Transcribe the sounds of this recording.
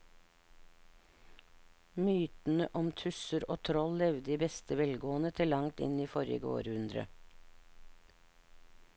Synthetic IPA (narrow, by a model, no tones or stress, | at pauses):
myːt̪n̩əʔɔmt̪ʰʉsəɾoːt̪ʰɾɔllɛʋd̪iːbɛst̪əʋɛlɡoːnət̪ʰɪlɑŋt̪ɪ̰niːfɔɾjə̰ɡəo̰ːɾʉnd̪ɾə̰